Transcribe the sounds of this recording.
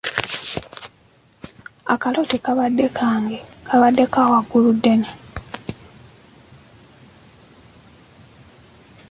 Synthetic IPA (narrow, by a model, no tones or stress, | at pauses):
a̰kalotikaβadːekʰaːŋɡekʰaβadːe̞kawaɡuludːe̞ne